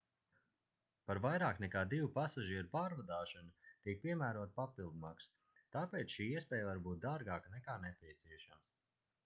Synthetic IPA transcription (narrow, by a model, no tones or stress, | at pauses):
paɾvajɾaːknɛkaːd̪ivupasaʒiɛɾupaːɾvad̪aːʃanat̪iɛk̚piɛmæːɾuɔt̪papilˠd̪maːks | t̪aːpeːt̪sʃiːiɛspʲɛːjvaɾbuːt̪̚d̪aːɾɡaːknɛkaːnɛpʲiɛt̪siɛʃams